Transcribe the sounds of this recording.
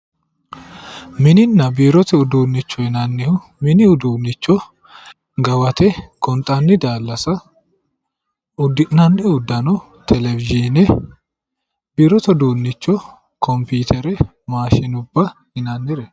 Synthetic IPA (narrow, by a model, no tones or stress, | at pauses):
mɪnɪnːɐbiːɾɔt̪ɛʊd̪uːnːɪt͡ʃːɔjnɐnːɪhʊ | mɪnɪʊd̪uːnːɪt͡ʃːɔ | ɡɐwɐt̪ɛkɔnt̪ʼɐnːɪd̪aːlːɐsɐ | ʊd̪ːɪʔnːɐnːɪʊd̪ːɐnɔ | t̪ʰɛlɛvɪd͡ʒinɛ | biːɾɔt̪ɛd̪uːnːɪt͡ʃːɔ | kʰɔmpiːt̪ʰɛɾɛ | maːʃɪnʊbːɐhɪnɐnːɪɾɛ